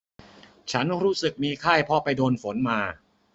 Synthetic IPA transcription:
t͡ɕʰa˦˥nɾuː˦˥sɯ˨˩k̚miː˧kʰaː˥˩jpʰɔ˧pa˧jdoː˧nfo˩˦nmaː˧

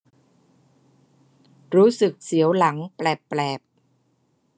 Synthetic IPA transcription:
ɾuː˦˥sɯ˨˩k̚si˩˦əwla˩˦ŋplɛː˨˩pːlɛː˨˩p̚

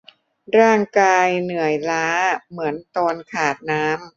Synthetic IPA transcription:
ɾaː˥˩ŋkaː˧jnɯ˨˩əjlaː˦˥mɯ˩˦ənt̪ɔː˧nkʰaː˨˩t̪̚naː˦˥m

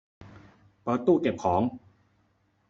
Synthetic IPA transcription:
pɤː˨˩t̪ːuː˥˩ke˨˩p̚kʰɔː˩˦ŋ

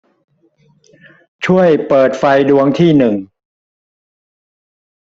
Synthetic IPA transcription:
t͡ɕʰu˥˩əjpɤː˨˩t̪̚fa˧jdu˧əŋt̪ʰiː˥˩nɯ˨˩ŋ

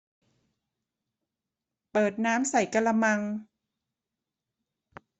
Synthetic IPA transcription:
pɤː˨˩t̪̚naː˦˥msa˨˩jka˧la˧ma˧ŋ

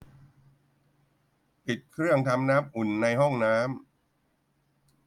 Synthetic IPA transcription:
pi˨˩t̪̚kʰɾɯ˥˩əŋt̪ʰa˧mnaː˦˥mʔu˨˩nːa˧jɦɔ˥˩ŋnaː˦˥m

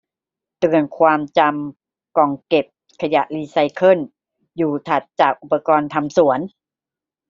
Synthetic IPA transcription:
t̪ɯ˨˩ənkʰwaː˧mt͡ɕa˧m | kɔː˨˩ŋke˨˩p̚ | kʰa˧ja̰˨˩ʔliː˧sa˧jkʰɤ˧˥˩n | juː˨˩t̪ʰa˨˩t̪̚t͡ɕaː˨˩k̚ʔu˨˩pːa˧kɔː˧nt̪ʰa˧msu˨˩˦ən

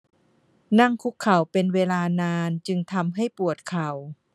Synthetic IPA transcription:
na˥˩˨ŋkʰu˦˥kʰːa˨˩wpe˧nweː˧laː˧naː˧nt͡ɕɯ˧ŋt̪ʰa˧mɦa˥˩jpu˨˩ət̪̚kʰa˨˩w

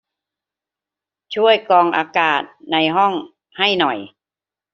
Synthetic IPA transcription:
t͡ɕʰu˥˩əjkɔː˧ŋʔaː˧kaː˨˩t̪̚na˧jɦɔ˥˩ŋ | ha˥˩jnɔ˨˩j

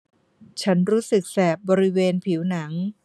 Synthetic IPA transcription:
t͡ɕʰa˦˥nɾuː˦˥sɯ˨˩k̚sɛː˨˩p̚bɔː˧ɾi˦˥weː˧npʰiː˩˦wna˩˦ŋ

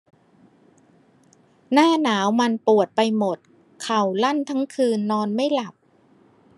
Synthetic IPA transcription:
naː˥˩naː˩˦wma˧npu˨˩ət̪̚pa˧jmo˨˩t̪̚ | kʰa˨˩wla˥˩nt̪ʰa˦˥ŋkʰɯː˧nːɔː˧nma˥˩jla˨˩p̚

